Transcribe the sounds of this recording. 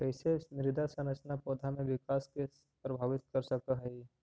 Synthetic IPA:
kɛɪsenɪɾɪd̪asə̃nət͡ʃnapoːd̪ʱamẽʋɪkaːske | pɾəbʱaːʋɪt̪̚kɐɾsɐkəɦɛi

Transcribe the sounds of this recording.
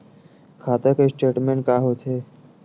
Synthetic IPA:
kʰaːt̪əkesʈeːʈmẽɳʈ̚kaːɦot̪ɦe

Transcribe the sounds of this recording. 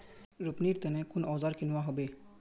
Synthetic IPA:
ɾʊpniɾt̪ɐnɛ̃kʊnɔːzaːɾkɪnuʋaɦobe

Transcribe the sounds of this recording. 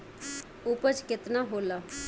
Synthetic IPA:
ʊpət͡ʃkɪt̪naːɦoːlaː

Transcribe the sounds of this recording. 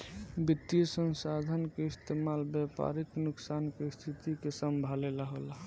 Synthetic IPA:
bit̪ːjəsənsad̪ʱənkeist̪emalbjɛpa̰ɾiknuksankest̪ʰit̪ikesəmbʱaleləɦola

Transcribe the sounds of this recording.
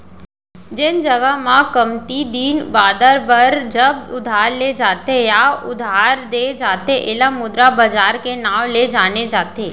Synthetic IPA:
d͡ʒend͡ʒəɡəmãkəmt̪id̪iːnbaːd̪əɾbəɾd͡ʒəbʊd̪ʱaːɾled͡ʒaːt̪ejaʊd̪ʱaɾd̪ed͡ʒaːt̪eʔelamʊd̪ɾabəd͡ʒaːɾkenaʋled͡ʒaːned͡ʒaːt̪e

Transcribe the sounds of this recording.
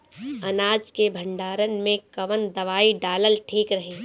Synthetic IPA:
ɐnaːd͡ʒkebʱə̃ɳɖaːɾənmẽkɐʋənd̪ɐʋaːiɖaːləlʈʰiːkɾɐɦeː

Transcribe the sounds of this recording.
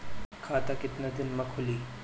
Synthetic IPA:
kʰaːt̪akɪt̪nad̪ɪnmɐkʰʊliː

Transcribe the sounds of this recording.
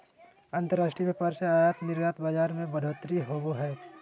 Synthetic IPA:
ãnt̪əɾaːʃʈɾibeːpaːɾseaːjaːt̪nɪɾjaːt̪baːd͡ʒaːɾmẽbɐɽʱoːt̪ɾiɦoːboɦɛː

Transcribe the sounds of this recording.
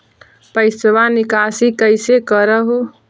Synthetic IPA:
pəɪsʋanikasikəjsekəɾəɦo

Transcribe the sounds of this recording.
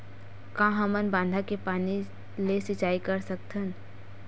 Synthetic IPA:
kãːɦəmənbãːnd̪ʱakepaːni | lesɪt͡ʃaːikəɾsəkt̪ʰən

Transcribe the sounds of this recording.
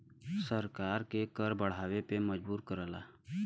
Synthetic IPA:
səɾkaːɾkekəɾbəɽ̤aːʋepeməd͡ʒbuːɾkəɾəla̰ː

